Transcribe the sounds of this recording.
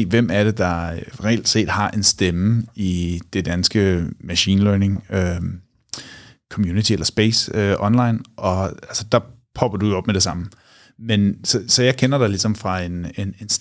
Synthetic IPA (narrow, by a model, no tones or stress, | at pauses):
ḛːʋem̰æɐɾ̥e̝d̥ɑ̈ʁɛl̰d̥se̝̰ːd̥hɑ̈ʔe̝nsd̥eməid̥e̝d̥ænsɡ̥əmæɕḭːnlœːne̝ŋø | kʰɒ̽mjuːnit͡sʰielɐsb̥ḛɪsøʔɒ̽nlɑ̈ɪnʔɒ̽ælsə̥d̥ɑ̈pʰɒ̽b̥ɐd̥ujoɒ̽b̥̚med̥e̝sɑ̈m̰̩ | mensɒ̽sɒ̽jɑ̈ɪkʰenɐd̥älisɒ̽mfʁɑ̈e̝ne̝ne̝ns